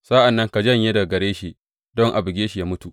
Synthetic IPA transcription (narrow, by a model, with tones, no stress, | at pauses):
sa˦ʔa˨nːɐ˦ŋka˨d͡ʒɐ˦ɲjeː˦da˨ɡɐ˨ɾeː˦ʃi˨ | dɔ˦ŋʔa˨bɪ˨ɡʲeː˦ʃi˨jaː˦mʊ˦tu˨